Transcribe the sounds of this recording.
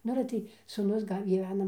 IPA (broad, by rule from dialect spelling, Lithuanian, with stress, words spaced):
ˈnʊ ɐlʲɛ ˈtɐɪ suːˈnʊs ˈɡɐlʲ ɡʲiːˈʋʲæːnɐ